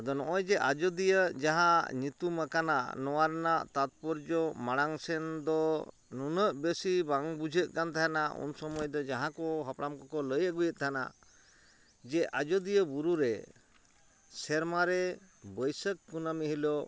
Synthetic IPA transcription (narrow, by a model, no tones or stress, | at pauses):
d̪ɔnɔʔɔjd͡ʒɛʔa̰d͡ʒɔd̪ijəd͡ʒaɦãɲit̪umakana̰ʔnɔwaɾnaʔt̪at̪̚pɔɾd͡ʒɔmaɽ̃aŋsɛnd̪ɔ | nunəʔbesibaŋbud͡ʒʱəʔ̚kant̪ʰaanaṵnsɔmɔjɔd̪ɔd͡ʒaɦãkɔɦəpɽamkɔkɔləjəɡujət̪̚t̪ʰana̰ | d͡ʒɛʔad͡ʒɔd̪ijəbuɾuɾɛ | sɛɾmaɾɛ | bəjsəkːunamiɦilɔ